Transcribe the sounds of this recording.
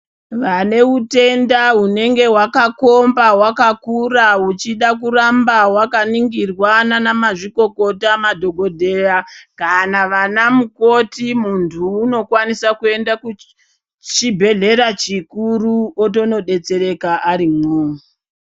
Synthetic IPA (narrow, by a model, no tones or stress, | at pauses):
ʋane̞ute̞ndaune̞ŋɡe̞wakako̞mbawakakuraut͡ʃiɗakurambawakaniŋɡirwananamaʐiko̞ko̞tamadʱo̞ɡʱo̞dʱe̞rakanaʋanamuko̞timuntʰuːno̞kwanisakue̞ndaku | t͡ʃibʱe̞ɮe̞ɾat͡ʃikuruot̬o̞no̞ɗe̞t͡se̞ɾe̞kaʔaɾimoːu